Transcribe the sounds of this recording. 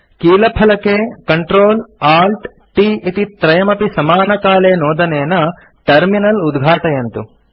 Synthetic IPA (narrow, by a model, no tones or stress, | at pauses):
kiːlɐpʰɐlɐkekɐɳʈɾoːlaːlʈ | ʈiːit̪it̪ɾɐjɐmɐpisɐmaːnɐkaːleːnɔːd̪ɐneːnɐ | ʈɐɾminɐlud̪ɡʱaːʈɐjɐnt̪u